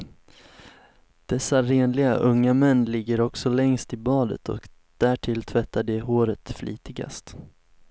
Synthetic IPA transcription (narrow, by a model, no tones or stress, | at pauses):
d̪̥ɛsːaɾeːnlɪɡaʔɵŋːamɛnːlɪɡːəɾɔksɔlɛŋst̪ɪbɑːd̪ə̰t̪ʰɔ̰k | d̪̥æʈʰɪlt̪ʰvɛt̪ːaɖɛɦoːɾət̪flʔḭːt̪ɪɡa̰st̪